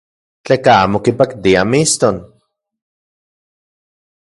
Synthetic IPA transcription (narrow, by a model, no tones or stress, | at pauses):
t͡ɬekaaːmokipakt̪iamist̪on